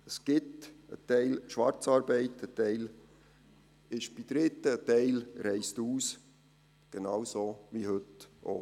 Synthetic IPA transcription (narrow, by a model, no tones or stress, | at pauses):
əsɡ̥ɪtə̰tɛɪlʃʋɑɾt͡sɑːɾbɛɪtətɛɪl | ɪʃb̥id̥̪ɾɪt̪ːəətɛɪlɾɛɪstuːs | ɡ̥enɑwsoʋihɵtʔo̰